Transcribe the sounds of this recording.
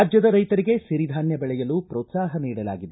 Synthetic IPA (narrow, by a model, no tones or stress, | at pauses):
d͡ʒjɐd̪ɐɾɐjt̪ɐɾiɡe̞siɾid̪ʱaːnjɐbɛɭɛjɐlupɾɔːt̪saːɦɐniːɽɐla̰ːɡid̪e